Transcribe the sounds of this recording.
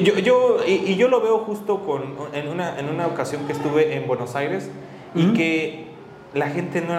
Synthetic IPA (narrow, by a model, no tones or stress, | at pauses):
ʝoʝoiʔiʝo̞lo̞βe̞o̞xust̪o̞ko̞nenunaʔenunaokasjo̞ŋkest̪uβe̞ʔembwe̞no̞sajɾe̞s | ike̞ | laxe̞nt̪e̞no